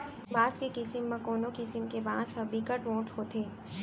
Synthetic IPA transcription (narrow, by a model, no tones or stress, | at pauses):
baːskekɪsəmːãkoːnokɪsəmkebaːzɦɐbikəʈʋõːʈɦoːt̪eː